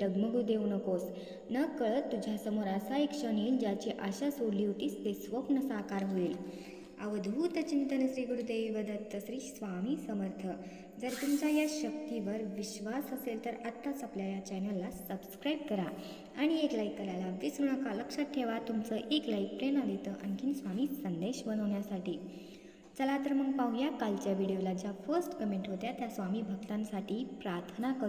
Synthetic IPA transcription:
ɖəɡməɡuːd̪eunəkos | nəkəɭət̪ːud͡ʑʱjasəmoɾasaikʂəñiːnd͡ʑat͡ɕeʔəɕasoliʋʈiːst̪esʋəpnəsakaɾɦoiːl | a̰ʋəd̪ʱʋut̪ət͡ɕint̪ənəsɾiːɡuɾud̪eʋiʋəd̪ət̪ːəsɾiːsʋamisəməɾt̪ʰə | d͡zəɾt̪umt͡ɕajaɕəkt̪iʋəɾʋiɕʋasəselt̪əɾət̪ːat͡sapljajat͡ɕɛnəlːasəbskɾajib̚kəɾa | aɽ̃ieklaikːəɾajlabd̪isɾuɳ̃əkaləkʂəʈʰːeʋat̪umt͡səʔeklaik̚pɾenad̪iet̪əʔə̰nkʰinsʋamiːsənd̪eɕʋənəʋɳjasaʈiː | t͡səlat̪əɾməɡ̚paũjakalt͡ɕjaʋiɽijolad͡ʑjafəɾsʈkəmẽɳʈɦot̪jat̪jasʋamiːbʱəɡ̚t̪ãnsaʈʰiːpɾaɾt̪ʰənakəɾu

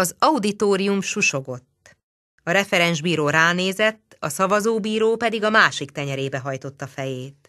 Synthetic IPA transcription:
ɒzɒud̪it̪oːɾijumʃuʃo̞ɡo̞t̪ː | ɒɾɛfɛɾɛnʒbiːɾoːɾaːneːzɛt̪ːɒsɒvɒzoːbiːɾoːpɛd̪iɡɒmaːʃikt̪ɛɲɛɾeːbɛɦɒjt̪o̞t̪ːɒfɛjeːt̪

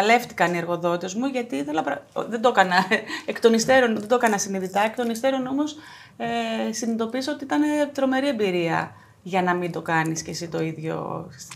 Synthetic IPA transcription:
ɐle̞ft̪i̥kɐnieɾɣo̞ðo̞t̪e̞zmuʝɐt̪iiθelɐpɾɐðe̞d̪okɐnɐekt̪o̞nist̪eɾo̞nðd̪okɐnɐsiniðit̪ɐekt̪o̞nist̪eɾo̞no̞mo̞s | esinid̪o̞piseo̞t̪iit̪ɐne̞t̪ɾo̞me̞ɾie̞mbiɾiɐ̰ | ʝɐnɐmind̪o̞kɐnisce̞sit̪o̞iðʝo̞̰

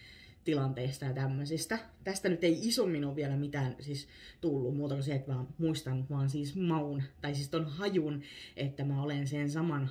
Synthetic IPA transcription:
t̪ilɑnt̪eist̪ɑjɑt̪æmːøsist̪æt̪æst̪ænyt̪eiisomːinoʋʋiɛlæmit̪æːnsis | t̪ulːummuːt̪ɑkoseet̪ʋɑːmuist̪ɑnːut̪ʋɑːnsiːsmɑunt̪ɑisist̪onhɑjunʔet̪ːæmæolensensɑmɑn

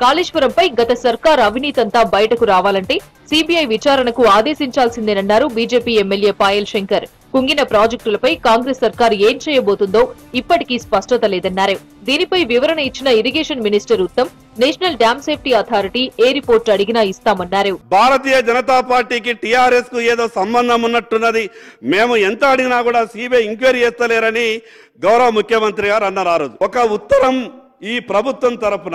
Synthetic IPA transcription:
kaːliːʂʋɐɾɐmpɐjɡɐt̪ɐsɐɾkaːɾɐʋʱiniːt̪ɐnt̪aːbɐjɐʈɐkuɾaːʋaːlɐɳʈe̞ː | siːbiɐjʋit͡ʃaːɾɐɳɐkuaːd̪e̞ːʃiɲt͡ʃaːlsind̪eːnɐnːaːɾubiːd͡ʒe̞ːpiːemːelje̞ːpaːjelʃeŋkɐɾ | kuŋɡinɐpɾaːd͡ʒek̚ʈulɐpɐjkaːŋɡɾesːɐɾkaːɾe̞ːmt͡ʃɛːjɐbo̞ːt̪und̪o̞ːipːɐʈikispɐʂʈɐt̪ɐlɛːd̪ɐnːaːɾeu | d̪iːnipɐjʋiʋɐɾɐnɐit͡ʃːinɐiɾiɡeːʂɐnminisʈɐɾut̪ːɐm | neːʂɐnɐlɖjaːmseːp̚ʰʈiɐt̪ʰaːɾiʈiːeːɾipoːɾʈsɐɽiɡinaːist̪aːmɐnːaːɾeubʱaːɾɐt̪iːjɐd͡ʒɐnɐt̪aːpaːɾʈiːkiʈijaːɾeskueːd̪oːsɐmbɐnd̪ʱɐmunːɐʈːunːɐd̪i | meːmuent̪ɐɐɽiɡinaːkuːɽaːsiːbeiŋkʋɐɾiɛːst̪ɐlɛːɾɐni | ɡɐwɾɐʋɐmukʰjɐmɐnt̪ɾiɡaːɾɐnːɐɾaːɾoːd̪uɔkɐut̪ːɐɾɐm | iːpɾɐbʱut̪ʋɐmt̪ɐɾɐpunɐ

